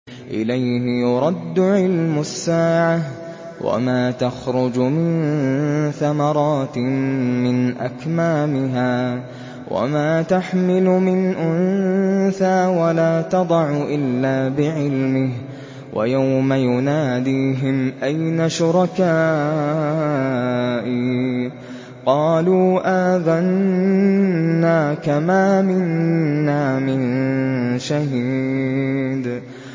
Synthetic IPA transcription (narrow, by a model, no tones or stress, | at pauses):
ʔɪ̰lajhɪjʊɾˤɑd̪ːʊʕɪlmʊsːaːʕa | wʔa̰maːt̪axɾʊd͡ʒmɪn | θamɑɾˤɑːt̪mɪnʔa̰kmaːmɪɦaː | wʔa̰maːt̪aħmɪlʊmɪnʔʊnθaːwalaːt̪ɑd̪ˤɑʕʊʔɪlːaːbɪʕɪlmɪh | wʔa̰jawmajʊnaːd̪iːɦɪmʔajnaʃʊɾˤɑkaː | ʔi | qɑːluːʔaːðan | aːkamaːmɪnːaːmɪn | ʃahiː | d̪